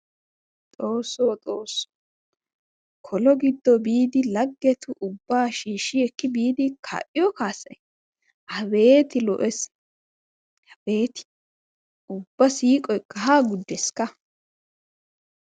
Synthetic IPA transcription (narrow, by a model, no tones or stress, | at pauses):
t̪ʼoːsoːt̪ʼo̞ːsːɔ̥ | kʰɔlɔɡɪd̪ːɔbiːd̪ɪlɐɡːɛt̪ʊʔʊbːaːʃiːʃɪɛkːɪbiːd̪ɪkʰa̰ʔɪjɔkaːsːɐj | hɐbeːt̪ɪlɔ̰ʔɛs | hɐbeːt̪ɪ̥ | ʔʊbːɐsiːkʼɔjkːɐɦaːɡʊd̪ːɛskːɐ